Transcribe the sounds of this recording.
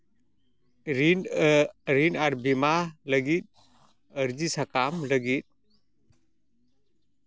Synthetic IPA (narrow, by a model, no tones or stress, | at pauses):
ɾin | ɾinaɾbimaləɡit̪̚ | əɾd͡ʒisakamləɡit̪̚